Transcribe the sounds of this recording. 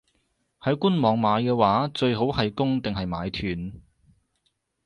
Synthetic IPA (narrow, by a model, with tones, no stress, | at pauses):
hɐ˨˥jku˥nmɔː˨˧ŋmaː˨˧jkɛː˧waː˨˥t͡ʃɵ˧ɥɦo˨˥whɐ˨jkʊ˥ŋt̪ɪ˨ŋɦɐ˨jmaː˨˧jt̪ʰyː˨˩n